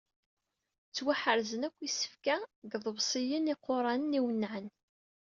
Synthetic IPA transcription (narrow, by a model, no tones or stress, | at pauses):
t͡sːwaħəɾzənækʷːisə̥fkæɡðˤəβsˤijəniqːoɾˤɑnəniwənːʕən